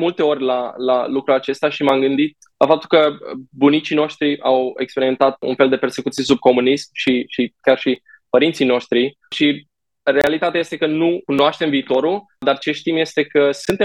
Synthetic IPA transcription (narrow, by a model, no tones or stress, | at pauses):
mult̪e̞o̞rʲlala̰lukɾuat͡ʃe̞st̪eaʃimamɡɨnd̪it̪̚ | lafap̚t̪u̥lkəbunit͡ʃino̞ʃt̪ɾiʔawekspeɾime̞nt̪at̪̚ṵnfe̞ld̪e̞pe̞rse̞kut̪siesub̚ko̞munismʃiʃikʲjarʃipəɾint̪sijno̞ʃt̪ɾi | ʃi | ɾe̞alit̪at̪eajest̪ekənukunoaʃt̪e̞mviːt̪o̞ɾul | d̪art͡ʃe̞ʃt̪imje̞st̪e̞kəsɨnt̪e